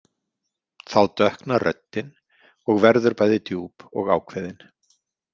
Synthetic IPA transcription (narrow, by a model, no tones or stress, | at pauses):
θawt̪œhknarʔœ̰t̪ːɪn | ɔɣvɛɾðʏɾpaːjðɪt̪juːpɔɣaːwkʰvɛːðɪn